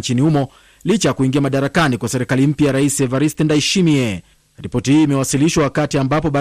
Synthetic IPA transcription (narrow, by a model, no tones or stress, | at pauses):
nt͡ʃinihumɔ | lit͡ʃajakuiŋɡiamaɗaɾakanikwasɛɾikalim̩pjajaɾaisɛvaɾistɛndaiʃimiɛ | ɾipɔtihiːmɛwasiliʃwawakatiambapɔɓa